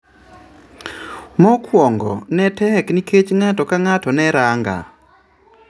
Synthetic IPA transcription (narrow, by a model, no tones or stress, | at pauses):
mɔkʰwɔŋɡɔ̰nɛtɛkniket͡ʃŋatɔkaŋatɔnɛɾaŋɡa̰